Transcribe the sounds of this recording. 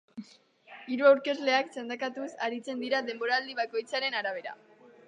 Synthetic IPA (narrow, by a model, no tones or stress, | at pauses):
iɾuawɾke̞zle̞akt͡send̪akat̪usaɾit͡se̞nd̪iɾaðe̞mbo̞ɾald̪iβako̞jt͡saɾe̞naɾaβ̞e̞ɾa̰